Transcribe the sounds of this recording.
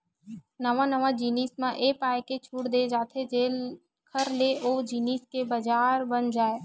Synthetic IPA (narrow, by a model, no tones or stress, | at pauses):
nəʋãnəʋãd͡ʒiːniːsmãʔeːpaːeket͡ʃʰuːʈd̪ed͡ʒaːt̪ʰed͡ʒeːl | kʰəɾleʔoːd͡ʒiːniːskebɐd͡ʒaːɾbənd͡ʒaːeː